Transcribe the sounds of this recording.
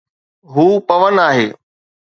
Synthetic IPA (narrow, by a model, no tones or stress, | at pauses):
ɦuːpɐʋənaːɦeː